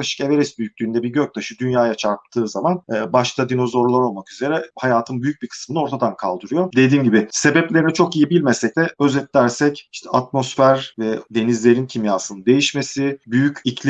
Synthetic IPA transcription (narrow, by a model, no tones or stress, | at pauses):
aʃɯ̥ke̞ve̞ɾɛsbyjyc̚ʲlʲyːnd̪ɛbiɾɟøc̚t̪ʰaʃɯd̪ynjaːjat͡ʃʰaɾp̚t̪ʰɯːzamanːbaʃt̪ʰad̪ino̞zo̞ɾlˠaɾo̞lˠmakyze̞ɾɛhajaːt̪ʰɯnbyjyc̚bikʰɯ̥smɯnɯo̞ɾt̪ʰad̪ankʰa̰lˠd̪ɯɾɯjo̞d̪e̞d̪iːmɟibɪse̞bɛplʲe̞ɾinɛt͡ʃʰo̞kijibilʲmesɛc̚d̪ɛøzɛt̪lʲæɾsɛciʃt̪ʰɛʔat̪̚mo̞sfæɾvɛd̪e̞nizlʲe̞ɾincʰimjaːsɯnɯd̪e̞jiʃme̞sɪbyjycicʰlʲ